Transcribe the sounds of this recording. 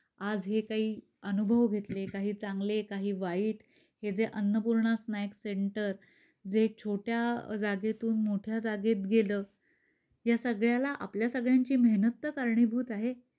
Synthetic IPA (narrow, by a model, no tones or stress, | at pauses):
ad͡zɦekaɦiː | ənubʱəʋɡʱet̪lekaɦiːt͡saŋɡlekaɦiːʋaiːʈ | hed͡zeʔənːəpuɾɳasnajəkseɳʈəɾ | d͡zet͡ɕʰoʈjad͡zaɡet̪uːnmoʈʰjad͡zaɡet̪̚ɡeləː | jasəɡɭjalaʔa̰pljasəɡɭjãɲt͡ɕiːməɦnət̪ːəkaɾɳibʱuːt̪aɦe